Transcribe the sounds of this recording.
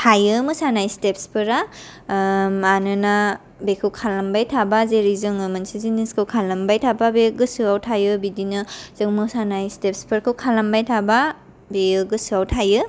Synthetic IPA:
tʰajɯmɯsanajstep̚spʰɯɾa | manɯna | bekʰɯwkʰalambajtʰabazeɾizɯŋɯmansiziniskʰɯwkʰalambajtʰababeɡɯsɯawtʰajɯbidinɯz̥ɯŋmɯsanajstepspʰɯɾkʰɯwkʰalambajtʰaba | beɯɡɯsɯawtʰajɯ

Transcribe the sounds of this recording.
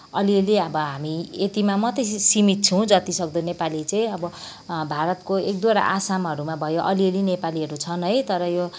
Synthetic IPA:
ʌliʌleʌbʌɦamiet̪imamʌt̪ʌsimit̪̚t͡sʰʌw̃d͡zʌt̪isʌkd̪ʌnepalit͡sʌĩʌbʌ | bʱaɾʌt̪koek̚d̪waɾa̰ʔasamɦʌɾumabʱʌjoʔʌliʌlinepaliʌɾut͡sʰʌnɦʌjt̪ʌɾʌjo

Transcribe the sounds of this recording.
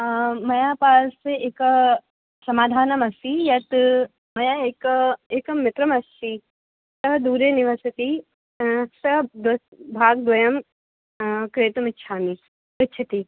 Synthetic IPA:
mɐjaːpaːlseʔeːkɐ | sɐmaːd̪ʱaːnɐmɐsijɐt̪ | mɐjaeːkɐeːkɐmːɪt̪ɾɐmɐst͡ʃi | sɐɦɐd̪uːɾeniʋasɐt̪i | sɐɦd̪ɐbʱaːɡ̚d̪ʋɐjɐm | kɾeːt̪ɐmɪtːʃʰaːmi | ʋɪtːt͡ʃʰɐt̪i

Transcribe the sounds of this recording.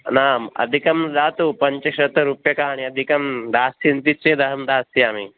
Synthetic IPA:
naːmɐ̰d̪ʱikɐmd̪aːt̪upɐɲt͡ʃɐʃɐt̪ɐɾupjɐkaːaɽ̃iɐd̪ʱikɐmd̪aːsint̪it͡ʃed̪ɐɦɐmd̪aːst̪iaːmi

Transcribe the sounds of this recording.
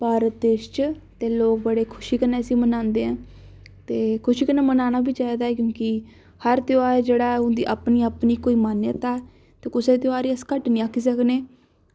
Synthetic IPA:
pəːɾd̪eːʃt͡ʃt̪eːloːk̚bəɽeːkʰʊʃiːkəneːəsĩːmənãːnd̪eːɦɛ̃ː | t̪eːkʰʊʃiːkəneːmənaːnaːbiːt͡ʃaːiːd̪aːɛːk̬jõːkɪ | həɾt̪ɪaːed͡ʒeːɽaːʊnd̪iːʔapniːəpniːkoːiːmanət̪aːɛ | t̪eːkʊset̪̬jaːɾiːəskəʈnĩːakʰːiːsəkneː

